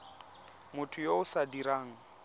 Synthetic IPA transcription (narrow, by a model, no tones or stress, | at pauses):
mʊtʰʊjoʊsadiɾaːŋ̩